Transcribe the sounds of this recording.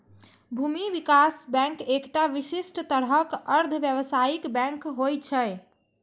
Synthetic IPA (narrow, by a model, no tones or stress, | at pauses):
bʱumiʋikasbɛ̃ŋkekʈaʋisisʈt̪əɾɦəkəɾd̪ʱəʋjəβsaikbɛ̃ŋkɦojt͡ʃʰə